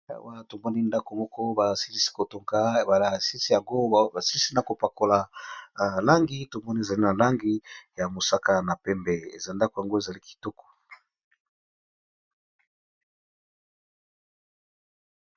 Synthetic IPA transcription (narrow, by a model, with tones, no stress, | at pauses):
wa˦˨to˨mɔ˦ni˦nda˦ko˨mɔ˦kɔ˦ba˨si˦li˦si̥˦ko˨to˨ŋka˦˨ba˨la˨si˦si˦ja˨ŋɡo˦˨ba˨si˦li˦si˦na˨ko˨pa˨ko˨la˨ | la˦ŋɡi˦to˨mɔ˦ni˦e˨za˨li˦na˨la˦ŋɡi˦ja˨mo˨sa˦ka˦na˨pɛ˦mbɛ˨ḛ˨za˨nda˦ko˨ja˨ŋɡo˦e˨za˨li˦ki̥˨tɔ˦kɔ̥˨